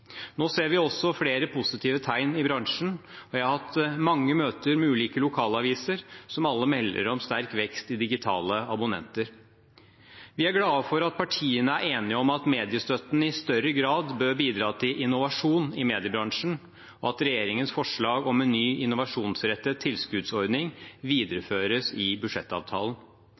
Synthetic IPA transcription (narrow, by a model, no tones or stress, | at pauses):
noːseːɾʋɪɔsːɔfleːɾəpʰʊsɪt̪ʰiːʋət̪ʰæɪnɪbɾɑŋʂn̩ɔjæɪhɑɾhɑt̪mɑŋːəmøːt̪əɾmɛʉːliːkəlʊkʰɑːlɑʋiːsəɾsɔmɑlːəmɛlːə̰ɾɔmst̪æɾkʋɛkst̪ɪd̪ɪɡɪt̪ʰɑ̰ːləɑbʊnɛ̰nt̪əɾ | ʋɪæɾɡlɑːfɔɾɑt̪̚pʰɑʈʰiːənəæɾʔeːnɪəɔmɑt̪meːd̪ɪəst̪øt̪n̩ɪst̪œɾəɡɾɑːd̪bøːɾbiːd̪ɾɑːt̪ʰɪlʔɪnʊʋɑʂuːnɪmeːd̪ɪəbɾɑŋʂn̩ | ɔɑt̪ɾɛjeːɾɪŋənsfɔʂɭɑːɡɔmɛnːyːʔɪnʊʋɑʂuːnsɾɛt̪ːət̪ʰɪlskʉd̪sɔɾd̪nɪŋʋiːd̪əɾəføːɾəsɪbʉʂɛt̪ːɑ̰ːʋt̪ʰɑ̰ːlən